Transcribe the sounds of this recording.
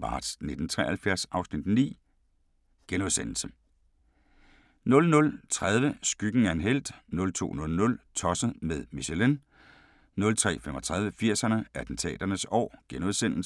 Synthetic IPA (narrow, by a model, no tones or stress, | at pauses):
mɑ̈ːd̥sne̝d̥n̩t͡sʰʁɛ̰ːɐhælfjæɐsɑ̈ʊsnid̥nḭː | ɡ̥enuðˠsen̰l̩sə | nɔ̽lnɔ̽lt͡sʰʁað̞ˠʋəsɡ̥yɡ̥n̩æɐenɦel̰d̥nɔ̽lt͡sʰo̝̰ːnɔ̽lnɔ̽lt͡sʰɒ̽səð̩ˠmeðˠmiɕelen | nɔ̽lt͡sʰʁɛ̰ːfemɒt͡sʰʁað̞ˠʋəfiɐ̰sɐnəʔæd̥n̩t͡sʰɛ̰ːd̥ɐnəsɒ̰ːɡ̥enuð̞ˠsen̰l̩s